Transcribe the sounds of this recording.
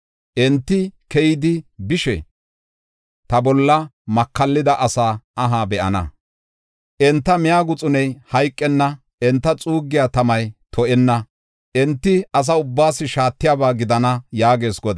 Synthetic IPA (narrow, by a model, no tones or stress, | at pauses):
ʔɛnt̪ːɪkɛjɪd̪ɪbɪʃɛ̰ | t̪ɐbɔlːɐmɐkːɐlːɪd̪ɐʔɐsaːɐɦaːbɛʔɐ̰nɐ̰ | ʔɛnt̪ːɐmɪjaːɡʊt͡sʼʊnɛjhɐjkʼːɛnːɐ | ɛnt̪ːɐt͡sʼuːɡːɪjaːt̪ɐmɐjt̪ʰɔʔɛnːɐ | ʔɛnt̪ːɪɐs̬ɐʊbːaːsɪʃaːt̪ːɪjaːbaːɡɪd̪ɐnɐjaːɡe̞ːsɡɔd̪